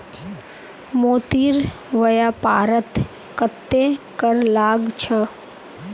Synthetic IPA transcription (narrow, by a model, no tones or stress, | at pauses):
moːt̪iːɾ | ʋəjapaːɾət̪ | kət̪ːekəɾlaːɡt͡ʃʰə